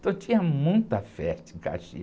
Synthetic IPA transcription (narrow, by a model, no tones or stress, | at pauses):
t̪ɐ̃w̃t̪ĩɲɐmũj̃t̪ɐfɛʃt̪ɪĩka̰ʃḭ